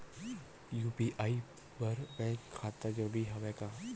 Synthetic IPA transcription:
juːpiʔai | bəɾbɛ̃kʰat̪ad͡ʒəɾuɾiɦɐʋɛka

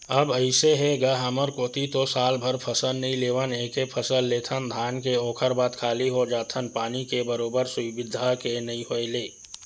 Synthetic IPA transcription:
əbɐɪseɦɛɡəɦaməɾkoːt̪it̪osaːlbʱəɾpʰəsəlnɐĩleːʋəneːkepʰəsəlːeːt̪ʰənd̪ʱaːnkeoːkʰəɾbaːt̪kʰaːliɦod͡ʒaːt̪ʰənpaːnikebəɾoːbəɾsʊbɪd̪ʱakenɐĩɦoeleː

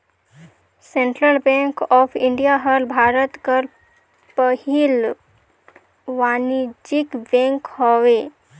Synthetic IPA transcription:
sẽɳʈɾəlbẽːŋkɔːpʰɪ̃ɳɖijaɦəɾbʱaːɾət̪kəɾ | pəhɪl | ʋaːnid͡ʒɪkbɛ̃ŋkɦoweː

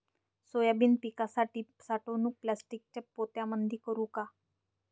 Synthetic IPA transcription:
sojabiːnpikasaʈisaʈonuːk̚plasʈik̚t͡ɕapːot̪jamənd̪ʱiːkəɾũːka

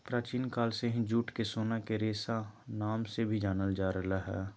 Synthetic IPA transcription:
pɾaːt͡ʃiːnkaːlseɦĩd͡ʒuːʈkesoːnakeɾeːsanaːmsebʱid͡ʒaːnəld͡ʒaːɾəlaɦɛː

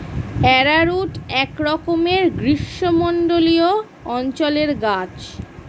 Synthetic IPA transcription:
ɛɾaɾuʈɛkɾɔkomeɾɡɾiʃːomoɳɖolio | ɔnt͡ɕɔleɾɡat͡ɕ

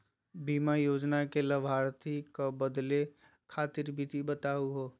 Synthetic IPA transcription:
bimajod͡ʒnakeləbʱaɾt̪ʰikabəd̪le | kʰaːt̪iɾbit̪ibət̪auɦo

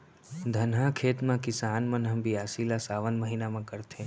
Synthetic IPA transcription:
d̪ʱɐnɦãkʰeːt̪mãkɪsaːnmɐ̃nɦə̃mbʱiaːsiːlasaːʋənməɦiːnamãkəɾt̪ʰẽː

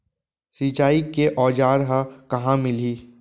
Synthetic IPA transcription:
siːt͡ʃaːikeʔɔːd͡ʒaːɾɦãkɐɦãmɪliː

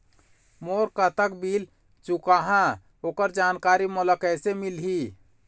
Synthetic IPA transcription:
moɾkət̪əkbil | t͡ʃukaɦã | okəɾd͡ʒankaɾimələkɛjsemilɦi

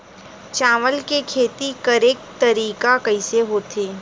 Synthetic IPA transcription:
t͡ʃaːʋəlkekʰeːt̪ikəɾeːk̚t̪ɐɾiːkakəiseɦoːt̪eː

